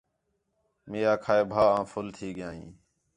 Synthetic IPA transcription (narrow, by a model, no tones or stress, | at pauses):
meːjaːkʰaːeːbʱaːãːfʰʊlt̪ʰiːɠɪjãːḭ̃ː